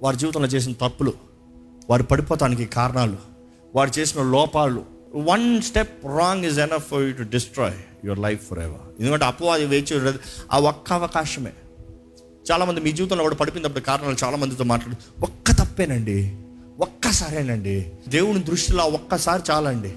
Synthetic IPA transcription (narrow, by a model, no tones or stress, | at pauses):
ʋaːɾud͡ʒiːʋt̪ɐ̃loːt͡ʃe̞ːs̬inɐt̪ɐpːulu | ʋaːɾupɐɽipɔːt̪aːnik̬ikaːɾɐɳaːlu | ʋaːɾut͡ʃe̞ːsinɐlɔːpaːlṵ | ʋɐnsʈepɾɔːŋɡizenɐfːɐɾjuʈ̬uɖisʈɾɔ̰ːjjɔɾlɐjfːɔ̰ːɾɛ̰ʋɐ̰ɾend̪ukɐɳʈeɐpːɐad̪iʋeːt͡ʃeed̪ia̰ːɔkːɐːʋɐkaːʂɐmḛː | t͡ʃaːlaːmɐnd̪imiːd͡ʒiːʋit̪̬ɐ̃nloːkuːɽɐpɐɽipind̪ɐpːuʈikaːɾɐɳaːlut͡ʃaːlaːmɐnd̪it̪oːmaːʈlaːɽ | ɔkːɐt̪ɐpːeːnɐɳɖi | ɔkːɐsaːɾenɐɳɖid̪e̞ːwunid̪ɾuʂʈiloɔkːɐsaːɾit͡ʃaːlɐɳɖi